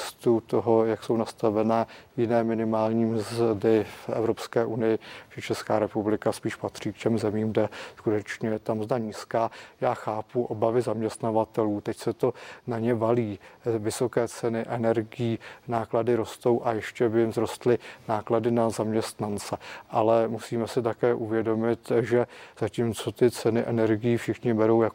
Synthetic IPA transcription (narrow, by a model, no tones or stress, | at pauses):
st̪ut̪oɦojakso̞wnast̪avɛnɛːjɪnɛːmɪnɪmaːlɲiːmzdɪfɛ̰vɾo̞pskɛːʔunɪjɪt͡ʃɛt͡ʃɛskaːɾɛpublɪkaspiːʃpat̪r̝̥iːkcɛmzɛmiːmɡdɛskut̪ɛt͡ʃɲɛjɛt̪amzdaɲiːskaːjaːxaːpuʔo̞bavɪzamɲɛst̪navat̪ɛluːt̪ɛcsɛt̪o̞naɲɛvaliːvɪso̞kɛːt͡sɛnɪʔɛnɛɾɡɪjiːnaːkladɪɾo̞st̪o̞wʔajɛʃcɛbɪjmzɾo̞st̪lɪnaːkladɪnazamɲɛst̪nant͡sɛʔalɛmusiːmɛsɪt̪akɛːʔuvjɛdo̞mɪt̪ʒɛz̥aciːmt͡so̞t̪ɪt͡sɛnɪʔɛnɛɾɡɪjiːfʃɪxɲɪbɛɾo̞wjak